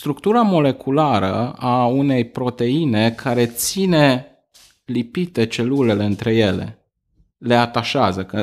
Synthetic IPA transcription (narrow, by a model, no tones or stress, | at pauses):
st̪ɾuk̚t̪uɾamo̞le̞kʰulaɾə̰aune̞jpɾo̞t̪e̞ine̞kʰaɾe̞t̪sine̞ | lipit̪e̞t͡ʃe̞lule̞le̞ɨnt̪ɾe̞je̞le̞̰ | le̞at̪aʃeazəkə